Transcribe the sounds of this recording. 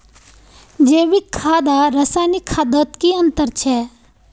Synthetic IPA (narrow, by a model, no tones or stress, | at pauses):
d͡ʒeːʋɪkʰːaːd̪aɾɐsaːnikʰːaːd̪ət̪kiə̃nt̪əɾt͡ʃʰɛː